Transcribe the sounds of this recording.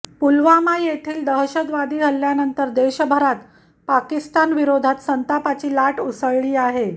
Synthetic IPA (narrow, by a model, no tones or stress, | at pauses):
pulʋamajet̪ʰiːld̪əɦɕəd̪ʋad̪iːɦəlːjanənt̪əɾd̪eɕəbʱəɾat̪ | pakist̪anʋiɾod̪ʱat̪sənt̪apat͡ɕiːlaʈusəɭɭiːaɦe